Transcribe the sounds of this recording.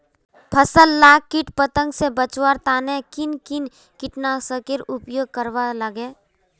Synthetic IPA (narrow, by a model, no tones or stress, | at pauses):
pʰəsəlːaːɡkːɪʈpət̪ə̃ŋɡsebət͡ʃwaɾt̪aːnekɪnkɪn | kɪʈnasəkeɾʊpjoːɡ̚kəɾʋaləɡeː